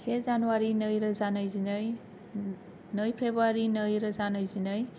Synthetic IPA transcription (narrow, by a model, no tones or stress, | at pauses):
sezanuwaɾinɯjɾɐzanajzinɯj | nɯjpʰɾebuaɾinɯjɾɐzanajzinɯj